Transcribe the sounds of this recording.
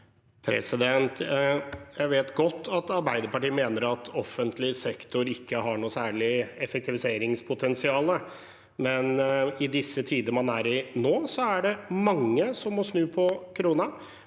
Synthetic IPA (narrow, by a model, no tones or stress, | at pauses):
pʰɾɛ̰sɪd̪ɛnt̪ | jæɪʋeːt̪ɡɔt̪ːɑt̪ɑɾbæɪd̪əɾpɑʈiːəmeːnəɾɑt̪ʰɔfənt̪lɪsɛkt̪ʊɾɪkːəɦɑɳuːsæːɭɪɛfɛk̚t̪ɪʋɪseːɾɪŋspʰʊt̪ʰɛnsɪɑːlə | mɛnɪd̪ɪsːət̪ʰiːd̪əəmɑnæɾɪnoːsɔæɖɛmɑŋːəsɔmmɔsnʉːpʰɔkʰɾuːnɑ